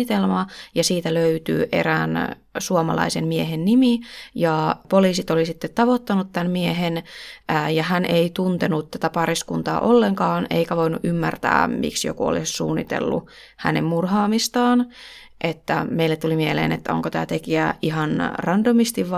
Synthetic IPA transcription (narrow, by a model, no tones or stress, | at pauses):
it̪elmɑjɑsiːt̪æløyt̪y̰ːʔḛræːn | suomɑ̰lɑ̰isemmieɦenːimijɑpoliːsit̪olisit̪ːet̪t̪ɑʋot̪ːɑnut̪t̪ænmieɦenː | jɑhænʔeit̪unt̪enutt̪æt̪æpɑriskunt̪ɑ̰ːʔolːeŋkɑːnḛikæʋoinṵʔymːært̪æ̰ːmḭksjo̰kuo̰lissṵːnːḭt̪ḛlːṵ | hæ̰nemmurhɑːmist̪ɑːn | ʔet̪ːæ̰meilːet̪ulimielḛːnḛt̪ːæoŋkot̪æ̰ːt̪ekiæiɦɑnrɑndomist̪iʋʋ